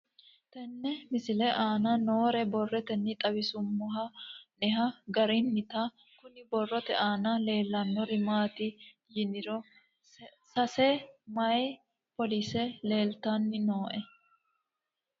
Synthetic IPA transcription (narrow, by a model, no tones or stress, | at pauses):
t̪ɛnːɛmɪsɪlɛʔaːnɐnoːɾɛbɔrːɛt̪ɛnːɪt̪ʼɐbɪsʊmːɔɦɐnɛɦɐɡɐɾɪnːɪt̪a | kʊnɪbɔrːɔt̪ɛʔaːnɐle̞ːlːɐnːɔɾɪmaːt̪ɪ | jɪnɪɾɔ | sɐsɛmɐj | pɔlisɛle̞ːlt̪anːɪnoːʔɛ